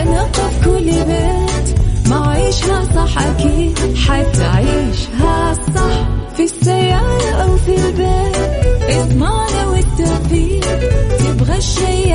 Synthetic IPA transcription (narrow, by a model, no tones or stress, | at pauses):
ʔanɑq̪ˤɑfkʊlːbeːt̪maʕʕiːʃhasˤɑħːʔakiːd̪ħeːθʔa̰ʕiːʃɦasˤɑħfisːajːaːɾˤɑʔawfilbeːt̪ʔɪsmɑʕniwɪt̪ːafiːj̪ɪbɣaʃːaj